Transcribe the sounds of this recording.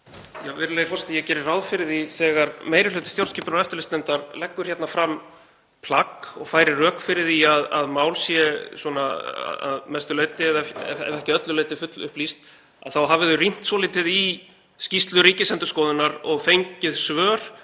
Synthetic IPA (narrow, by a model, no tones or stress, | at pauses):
javɪɾʏlejɪfɔst̪jɛcɛːɾɪrawðfɪɾɪðiθɛɣaɾmeːjɾɪlʏːt̪ɪ̥st̪jowɾ̥scʰiːpʏnaɾɛft̪ʏlɪst̪ɛnt̪aɾlɛkːʏɾ̥çjɛt̪nafɾam | pʰlakɔɣfaːjɾɪrœːkfɪɾɪðiaða̰ðmaːwlsjɛswɔnaa̰a̰ðmɛst̪ʏleːjt̪ɪɛðɛɛ̰ɛ̰vɛhcɪœt̪lʏleːjt̪ɪfʏt̪lʏ̰hplist̪ | a̰ðθawɦavɪðʏrin̥t̪sɔːlɪːt̪ɪði | scist̪lʏɾiːcɪsɛnt̪ʏ̥ɾskɔːðʏnaɾɔɣfejɲcɪðsvœːɾ̥